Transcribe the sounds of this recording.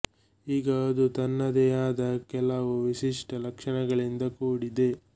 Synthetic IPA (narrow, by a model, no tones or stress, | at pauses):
iːɡɐɐd̪ut̪ɐnːɐd̪ɛjaːd̪ɐkɛlɐʋuʋiʃiʂʈɐlɐkʂɐɳɐɡɐɭind̪ɐkuːɽid̪e̞